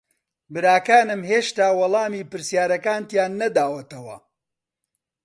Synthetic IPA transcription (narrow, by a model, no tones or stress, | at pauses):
bɨɾaːkaːnɨmɦeːʃt̪aːwɐlˠɑːmiːpɨɾsjaːɾɐkaːnt̪jaːnːɐd̪aːwɐt̪ɐwɐ̰